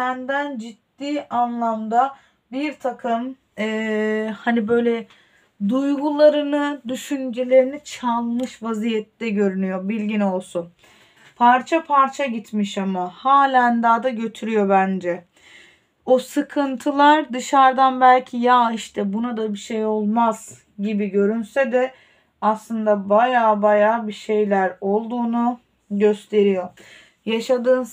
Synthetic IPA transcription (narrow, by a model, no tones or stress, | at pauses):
ænd̪ænd͡ʒit̪ːiːʔanlˠamd̪a | biɾt̪ʰakʰɯm | ɛːhanibø̞jlʲɛ | d̪ujɡulˠaɾɯnɯd̪yʃynd͡ʒelʲe̞ɾinit͡ʃʰalˠmɯʃvazijɛt̪lɛɟø̞ɾynyjo̞bilʲɟino̞lˠsun | pʰaɾt͡ʃʰapʰaɾt͡ʃʰaɟit̪miʃamahaːlʲænd̪aːd̪aɟø̞t̪ʰyɾyjo̞bænd͡ʒɛ | osɯkʰɯnt̪ʰɯlˠaɾd̪ɯʃaɾd̪anbælʲcʰijaːiʃt̪ʰɛbunad̪abiʃejo̞lˠmaz̥ | ɟibiɟø̞ɾynsɛd̪ɛ | aslˠɯnd̪abajaːbajaːbiʃe̞jlʲæɾo̞lˠd̪uːnu | ɟø̞st̪ʰe̞ɾijo̞ | jaʃad̪ɯːn